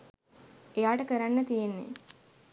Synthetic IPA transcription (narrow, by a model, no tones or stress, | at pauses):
ejaːʈəkəɾanːət̪ijenːḛ